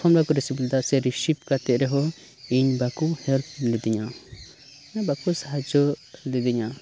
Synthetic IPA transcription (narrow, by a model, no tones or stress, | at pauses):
ɔmlakuɾisibld̪asɛɾiʃip̚kat̪ɛʔ̪̚ɾɛɦɔ | iɲbakuhɛlp̚ʰlid̪iɲa | nabakusaɦad͡ʒɔlid̪iɲa